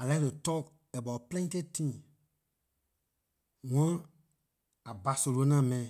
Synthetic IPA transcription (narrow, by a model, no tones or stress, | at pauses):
alɛɾətɔk | ɛbaplɛ̃tetĩ | ŋɔ̃ | abasolonãmɛ̃